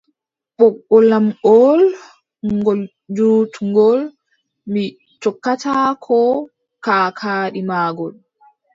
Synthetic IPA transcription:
ɓɔkːɔlamɔl | ŋŋɡɔl | d͡ʒuːtuŋɡɔl | mi | t͡ʃɔkːatakʰɔ | kaːkʰaːɗimaːɡɔn

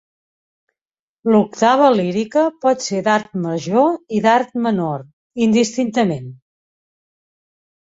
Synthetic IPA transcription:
luk̚t̪aβ̞əliɾikəpɔt̪sed̪aɾt̪məʒoiðaɾt̪mənoɾ | ind̪ist̪int̪əmen

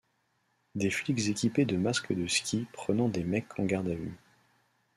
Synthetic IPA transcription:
d̪eflikzekʲiped̪əmaskəd̪əskʲipχənɑ̃d̪emɛkʰɑ̃ɡaʁd̪avy̰

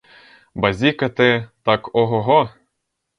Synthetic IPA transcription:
bazʲikat̪et̪ɑkʰoɦoɦo

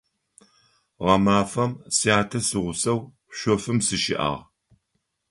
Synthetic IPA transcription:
ʁɐmaːfɐmsijaːtʰɐsɨʁʷʊsɐw | ɕʷɔfɨmsɨʃɪ̰ʔa̰ːʁ

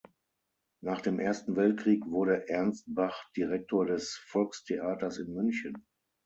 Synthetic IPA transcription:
naːχd̥eːmʔeːɐstn̩vɛlt̚kʁ̥iːkv̥ʊɐɾəʔɛɐnst̚b̥aχd̥iʁɛk̚tʰoːɐdɛsfɔlkstʰeʔaːtɐsɪnmʏnçən

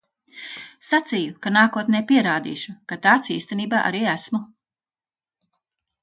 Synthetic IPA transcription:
sat̪sijukanaːkuɔt̪nɛːpiɛɾaːd̪ḭːʃukat̪aːt̪siːst̪ɛniːbaːʔa̰ɾiːæsmu

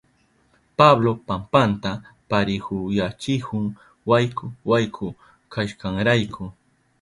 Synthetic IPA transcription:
pablopampant̪apaɾɪhʊjat͡ʃɪhʊŋ | wajkʰʊwajkʰʊ | kʰaʃkaŋɾajkʰʊ

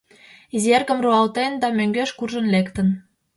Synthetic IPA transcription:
izerkə̆mroɑlt̪end̪ɑmøŋɡøʃkurʒə̆nlekt̪ə̆n

